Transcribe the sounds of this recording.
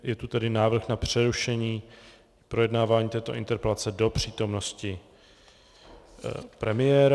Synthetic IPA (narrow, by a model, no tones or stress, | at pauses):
jɛt̪ut̪ɛdɪnaːvr̩xnapr̝̥ɛɾuʃɛɲiː | pɾo̞jɛdnaːvaːɲiːt̪ɛːt̪o̞ʔɪ̰nt̪ɛɾpɛlat͡sɛdo̞pr̝̥iːt̪o̞mno̞scɪ | pɾɛmɪjɛːɾ